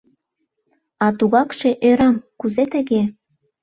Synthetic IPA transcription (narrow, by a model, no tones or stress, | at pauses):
ɑt̪uɣɑkʃeʔøɾɑmkuzet̪ə̆ɣe